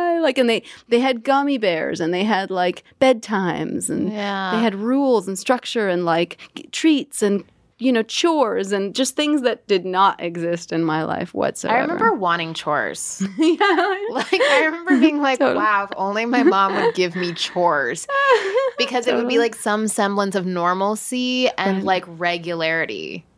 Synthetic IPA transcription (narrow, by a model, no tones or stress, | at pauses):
aɪlaɪkɨ̃nðeɪðeɪɨd̚ɡɑmibɛɹzɨ̃nðeɪɨdˡlaɪkb̥ɛd̚tʰãɪ̃mzɨ̰̃njæðeɪɨd̚ɹulˠz̃n̩stɹ̥ʌk̚t͡ʃə˞ɨ̃nlaɪktʰɹ̥itsɨ̃n | jɨnoʊt͡ʃʰɔɹzɨ̃nd͡ʒʌst̪̚θɪ̃ŋzðɨt̚d̥ɨdⁿnəɾʔɪ̰ɡzɪstɨ̃nmaɪla̰ɪfwʌ̰tso̰ʊɪɹɨɛ̰mɛ̃əmbə˞wɑ̃ɾ̃ɪ̃ŋt͡ʃʰɔ̰ɹz̥jælaɪkaɪɹɨmɛ̃mbə˞biɪ̃ŋlaɪkowaʊfõ̰ʊ̃nlimaɪmɑ̃mwɨd̚ɡɪvmit͡ʃʰɔɹz̥ | b̥ɨkʰʌzɨt̚wɨd̚bilaɪksʌ̃msɛ̃mblə̃nsʌvnɔɹml̩ˠsiɨ̃nlaɪkɹɛɡjɨlɛɹɨɾḭ